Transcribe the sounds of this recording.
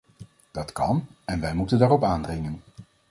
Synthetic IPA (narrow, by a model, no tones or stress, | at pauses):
d̥ɑtkɑnɛnʋɛjmutəndaːɹɔpaːndrɪŋən